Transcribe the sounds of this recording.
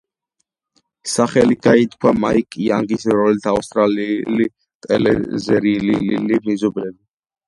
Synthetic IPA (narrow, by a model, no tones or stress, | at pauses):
saχɛliɡait̪ʰkʰwamaikʼiaŋɡisɾɔɛlt̪ʰaust̪ʼɾalili | t̪ʼɛlɛ̰zɛɾilililimizɔblɛbi